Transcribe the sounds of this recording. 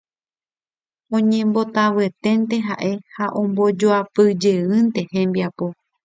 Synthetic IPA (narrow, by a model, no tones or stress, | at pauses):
õɲẽ̞mbo̞t̪aʋɨe̞t̪e̞nt̪e̞ɦa̰ʔe̞haʔõ̞mbod͡ʒoapɨd͡ʒeɨnt̪e̞hẽ̞mbiapo̞